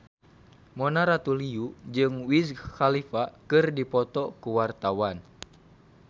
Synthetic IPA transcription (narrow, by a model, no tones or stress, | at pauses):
mɔnaɾat̪uliud͡ʒɨŋwisxalifakɨrdipɔt̪ɔkuwart̪awan